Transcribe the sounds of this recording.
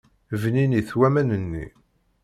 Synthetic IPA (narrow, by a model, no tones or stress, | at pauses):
vniniθwæmænənːḭ